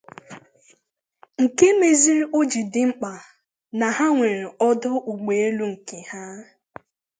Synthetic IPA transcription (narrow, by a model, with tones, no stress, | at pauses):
ŋ̩˨ke˦me˨zi˦ɾo˦d͡ʒi˨dɪ˨ŋ͡m̩˦k͡pa˨ | na˨ha˦ŋʷe˨ɾe˨ɔ˦dʊ˦u˨ɡ͡be˨e˦lu˦ŋ̩˨ke˨ha˦